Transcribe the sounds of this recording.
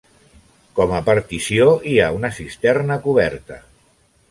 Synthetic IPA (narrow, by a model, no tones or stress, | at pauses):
kɔməpəɾt̪isioiaunəsist̪ɛrnəkuβ̞ɛɾt̪ə